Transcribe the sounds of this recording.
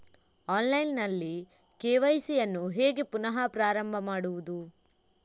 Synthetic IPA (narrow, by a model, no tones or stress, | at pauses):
aːnlɐjnnɐlːi | keːʋɐjsijɐnːuɦeːɡepunɐɦɐpɾaːɾɐmbʱɐmaːɽuʋud̪u